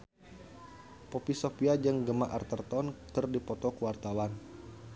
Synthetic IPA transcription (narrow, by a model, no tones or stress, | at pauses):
popisopiad͡ʒəŋɡəmaʔart̪ərt̪ɔnt̪ərdipɔt̪ɔkəwart̪awan